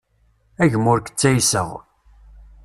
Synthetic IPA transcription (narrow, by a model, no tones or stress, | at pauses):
æʝəmʊɾkə̥t͡sːæjsəʁ